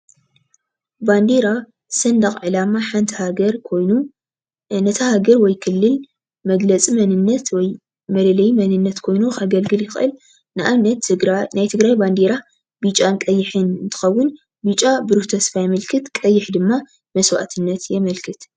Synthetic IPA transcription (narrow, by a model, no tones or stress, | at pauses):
band̪eɾa | sɐnd̪ɐχʼʕɨlamaħant̪ʰhaɡɐɾou | nɐt̪ʰɐhaɡɐɾwɔjkʰɨlːɨl | mɐɡlɐt͡sʼimɐnɨnːɐt̪wɔj | mɐlɐlɐjmɐnɨnːɐt̪kʰo̞jnuxaɡɐlɡɨljɪxʔɨl | nɨʔamnɐt̪najt̪ʰɨɡɾajband̪eɾa | bit͡ʃʼankʼɐjːɪħɨnɨnt̪ʰɨ̥xɐwːʊn | bit͡ʃʼabɨɾuht̪ʰɐsfajɛmɐlkʰɨt̪kʼɐjːɪħd̪ɨmːa | mɐswa̰ʔt̪ʰɨnːɐt̪jɛmɐlkʰɨt̪